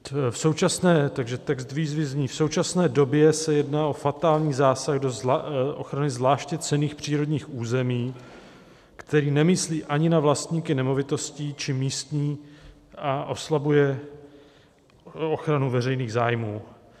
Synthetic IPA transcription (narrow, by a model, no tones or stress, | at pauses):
fso̞wt͡ʃasnɛːt̪aɡʒɛt̪ɛkst̪viːzvɪzɲiːfso̞wt͡ʃasnɛːdo̞bjɛsɛjɛdnaːʔo̞fat̪aːlɲiːzaːsaɣdo̞zʔoxɾanɪzvlaːʃcɛt͡sɛniːxpr̝̥iːɾo̞dɲiːxʔuːzɛmiː | kt̪ɛɾiːnɛmɪsliːʔaɲɪnavlast̪ɲiːkɪnɛmo̞vɪt̪o̞sciːt͡ʃɪmiːst̪ɲiː | ʔaʔo̞slabujɛ | oxɾanuvɛrɛjniːɣzaːjmuː